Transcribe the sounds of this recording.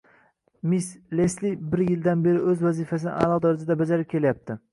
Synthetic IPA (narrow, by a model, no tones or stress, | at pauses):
misleslibɪɾjɪld̪anbe̞ɾɪɵzvæzifæsɪnɪ̰ʔa̰lˠɑʁd̪ɒɾɪsɪd̪abad͡ʒaɾɪp̚kʲʰe̞ljap̚t̪ʰɪ